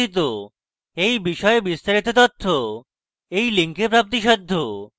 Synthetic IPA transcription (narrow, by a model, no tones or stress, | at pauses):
it̪̬o | ejbiʃɔebist̪aɾit̪ot̪ot̪ʰːo | ejliŋkepɾap̚t̪iʃɔd̪ʱːo